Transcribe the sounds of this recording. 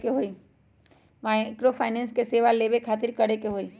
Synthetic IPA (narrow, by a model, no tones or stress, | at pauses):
keɦoːi | maɪkɾopʰaːɪnɛ̃ːnskeseːʋaleːbekʰaːt̪̬ɪɾkɐɽekeɦoːiː